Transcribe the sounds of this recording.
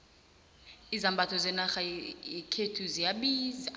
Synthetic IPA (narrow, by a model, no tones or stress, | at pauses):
izambʱatʰɔzɛnaxaikʰetʰuzijaɓiːza